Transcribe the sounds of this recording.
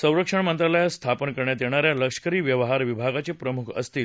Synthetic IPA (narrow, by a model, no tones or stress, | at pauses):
sə̃w̃ɾəkʂəɳmənt̪ɾaləjast̪ʰapənkəɾɳjat̪jeɳ̃aɾjaləkʂə̥kəɾiːʋjəʋɦaɾʋibʱaɡat͡sepɾəmukʰə̰st̪iːl